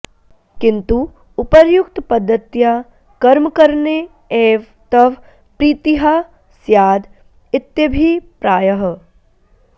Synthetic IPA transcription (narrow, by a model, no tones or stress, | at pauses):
kɪ̃nt̪u | ʊpəɾjʊkt̪pɐd̪ʱːət̪ja | kɐɾmkɐɾne | eːʋ | t̪ɐʋ | pɾiːt̪iɦa | sjaːd̪ | ɪt̪jəbʱipɾaːjəɦ